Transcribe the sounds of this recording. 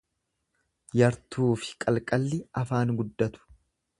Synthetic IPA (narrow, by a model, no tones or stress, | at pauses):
jɐɾt̪uːfɪ̥kʼɐlkʼɐlːɪɐfaːnɡʊd̪ːɐt̪ʊ̥